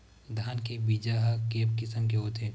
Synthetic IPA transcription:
d̪ʱaːnkebiːd͡ʒaɦakeːpkɪsəmkeɦot̪ʰeː

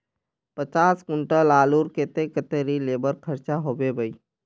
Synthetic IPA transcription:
pət͡ʃaːskʊɳʈalaːluːɾket̪ekət̪eɾileːbəɾkʰəɾt͡ʃaɦoːbebʱəi

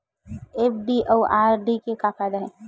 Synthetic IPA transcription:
ep̚ɖiʔowʔaːɾɖikekakad̪aɦɛ

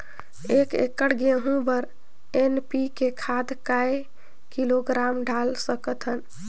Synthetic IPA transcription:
ekḛkːəɽɡeɦũbəɾ | enpikekʰad̪kae | kiloɡɾamɖʱalsəkət̪ɦən

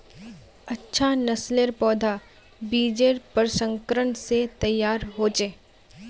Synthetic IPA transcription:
ɐtːʃʰanɐsleɾpɔːd̪ʱa | biːd͡ʒeɾpəɾsə̃ŋkəɾəɳset̪ɐjːaːɾɦoːt͡ʃeː

